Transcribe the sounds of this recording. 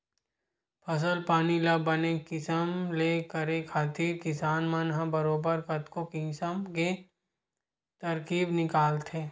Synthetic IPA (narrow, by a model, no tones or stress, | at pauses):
pʰɐs̬əlpaːnilɐbɐnekɪsəmleːkəɾekʰaːt̪iːɾkɪsaːnmanɦãbɐɾoːbəɾkɐt̪kokɪ̃ːsəmke | t̪ɐɾkiːbnɪkaːlt̪ʰeː